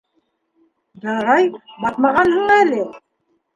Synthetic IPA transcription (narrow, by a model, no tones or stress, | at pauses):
jɤ̆ɾɑjbɑt̪mɑʁɑnhɤɴælʲɘ